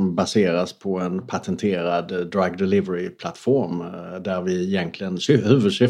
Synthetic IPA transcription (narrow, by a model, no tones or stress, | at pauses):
mbaseːɾaspʰɔɛnpʰat̪ʰɛnt̪ʰeːɾad̪d̪ɾaɡd̪ɛlɪvəɾɪpʰlat̪ːfɔɾmd̪æɾvɪɪjɛnk̪lɪɡənsʉːvəʂʏ